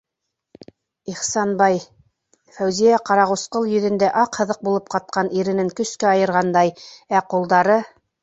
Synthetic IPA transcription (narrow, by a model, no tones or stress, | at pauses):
iχsɑnbɑj | fæwzijæqɑɾɑʁusqɤlˠjɵ̆ðɘ̆nd̪æʔɑqhɤ̆ðɤq̚bulˠɤp̚qɑt̪̚qɑniɾɘ̆nɘŋkɵ̆skæɑjɤ̆ɾʁɑnd̪ɑjæqulˠd̪ɑɾɤ